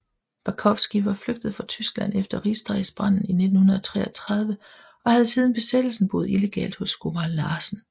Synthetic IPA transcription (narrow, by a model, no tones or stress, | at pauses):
b̥ɑkʰɒ̽fsɡ̥iʋɑ̈fløɡ̥̚d̥əð̩ˠfʁɑ̈t͡sʰysɡ̥læn̰efd̥ɐʁisd̥ʁɑɪsb̥ʁɑn̰n̩ine̝d̥n̩hunɐð̞ˠɒt͡sʰʁɛ̰ːɒt͡sʰʁɑ̈ð̞ˠʋə | ɒ̽hæð̞ˠsiːð̞ˠn̩b̥e̝sed̥l̩sn̩b̥o̝ð̩ˠile̝ɡ̥ɛ̰ːld̥hɔsɡ̥obɑlːɑ̈ːsn̩